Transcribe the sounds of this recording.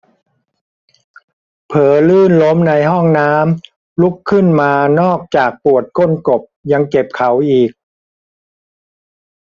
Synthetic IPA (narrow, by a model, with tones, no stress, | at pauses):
pʰɤː˨˩˦lɯː˥˩nlo˦˥mna˧jɦɔ˥˩ŋnaː˦˥m | lu˦˥kʰːɯ˥˩nmaː˧nɔː˥˩k̚t͡ɕaː˨˩k̚pu˨˩ət̪̚ko˥˩nko˨˩p̚ja˧ŋke˨˩p̚kʰa˩˦wʔiː˨˩k̚